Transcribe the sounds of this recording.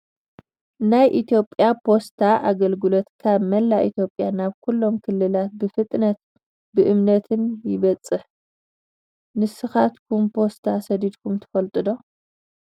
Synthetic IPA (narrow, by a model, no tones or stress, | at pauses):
najʔit̪ʰjo̞pʼjapʰo̞st̪ʰaʔaɡɐlɡɨlot̪kʰaβmɐlːaʔit̪ʰjo̞pʼjanaβkʰulːo̞mkʰɨlːɨlat̪̚bɨfɨt̪ʼnɐt̪̚ | bɨʔɨmnɐt̪ʰɨnjɪβɐt͡sʼːɨħ | nɨsɨxat̪kʰumpʰo̞st̪ʰasɐd̪id̪kʰumt̪ʰɐ̥fɐlt̪ʼɨd̪o̞